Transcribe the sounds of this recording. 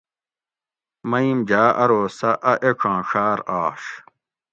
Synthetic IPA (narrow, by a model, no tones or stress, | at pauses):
mɐimd͡ʑaːʔɐɾoːsɐʔɐʔekʰãːɕaːɾaːʂ